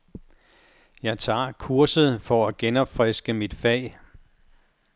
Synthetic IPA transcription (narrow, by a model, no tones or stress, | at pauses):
jɑ̈ɪt͡sʰɑ̰̈ːkʰuɐsð̩ˠfɒ̽æɡ̥enɒ̽b̥fʁɛsɡ̥əmid̥fɛ̰ːɪ